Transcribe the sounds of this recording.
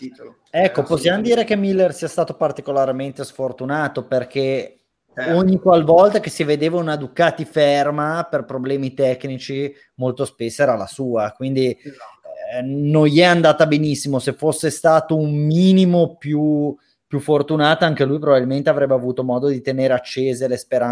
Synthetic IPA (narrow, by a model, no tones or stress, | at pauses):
ɛkːoposːjamod̪iːɾekemilːersiːast̪aːt̪opart̪ikolaɾment̪esfort̪unaːt̪operk̟e | oɲːikwalvɔlt̪ak̟esived̪eːvaunad̪ukaːt̪ifermaperpɾoblɛːmit̪ɛkːnit͡ʃi | molt̪ospesːoɛːɾala̰suːakwind̪i | nõnjɛand̪aːt̪abenisːimosefosːest̪aːt̪oummiːnimopju | pjufːort̪unaːt̪oaŋk̟elujp̬ɾobabilment̪eavɾɛbːeavuːt̪omɔːd̪od̪it̪eneːɾeat͡ʃːeːzelespeɾa